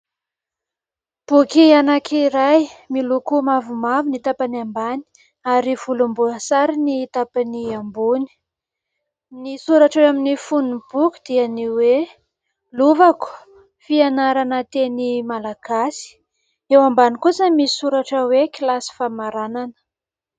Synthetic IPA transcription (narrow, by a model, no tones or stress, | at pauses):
b̥ukianakʰiɾajmilukumavumavinit̪apaniambani̥ | aɾiv̥ulumbuəsaɾiniit̪apaniambuni̥ | nisuɾaʈ͡ʂweaminifunub̥uku̥d̪̥ianiwe | luvaku̥ | fianaɾanət̪enimalaɡ̥asi̥ | ewambanikusəmisuɾaʈ͡ʂəwekilasi̥famaɾananə̥